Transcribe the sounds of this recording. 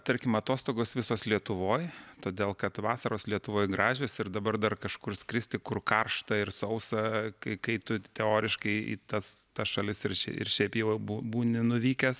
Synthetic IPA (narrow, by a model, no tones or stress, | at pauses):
t̪ɐɾʲkʲɪmɐt̪oːst̪oːɡoːsʋʲɪsoːslʲiɛt̪ʊʋoːjt̪oːd̪ʲeːlˠkɐt̪ʋɑːsɐɾoːslʲiɛt̪ʊʋoːjɡɾɑːʒʲoːsɪɾd̪ɐbɐrd̪ɐrkɐʃkʊrsʲkɾʲɪsʲt̪ʲɪkʊrkɐrʃt̪ɐɪrsɐʊsɐkɐɪkɐɪt̪ʊt̪ʲɛoːɾʲɪʃkɐɪḭːt̪ɐst̪ɐsʃɐlʲɪsɪɾʃʲɛ̰ɪ̰rʃʲɛɪpjɛʊbuːbuːnʲɪnʊʋʲiːkʲɛs